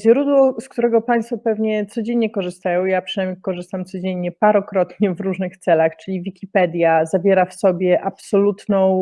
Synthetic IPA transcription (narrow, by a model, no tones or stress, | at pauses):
ʑɾud̪wɔskt̪uɾɛɡɔpaɲ̃st̪fɔpɛvɲɛt̪sɔd͡ʑeɲɲɛkɔʐɘst̪ajɔ̃w̃japʂɨnajmɲikɔʐɘst̪amt̪sɔd͡ʑeɲːɛpaɾɔkɾɔt̪ɲɛvɾuʐnɘxt̪sɛlaxt͡ʂɘlʲivʲikʲipɛd̪ʲjazavʲjɛɾafsɔbʲjɛʔapsɔlut̪nɔ̃w̃